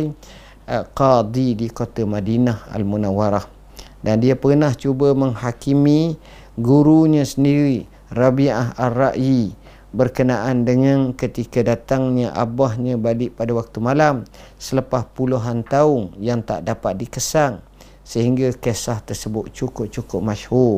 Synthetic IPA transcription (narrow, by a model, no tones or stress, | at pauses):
qɑd̪idikot̪amadinaha̰lmunawaɾah | dandiapərnaht͡ʃubaməŋhakimĩ | ɡuɾuɲãsəndiɾi | rabiaɦarːaʔji | bərkənaʔandəŋãnkət̪ikadat̪aŋɲaʔa̰bahɲãbalɪʔpadawak̚t̪umalam | sələpahpuluɦant̪aʊŋjaŋt̪a̰ʔdapat̪̚dikəsaŋ | səhiŋɡakesaht̪ərsəbʊt̪̚t͡ʃukʊp̚t͡ʃukʊp̚maʃhu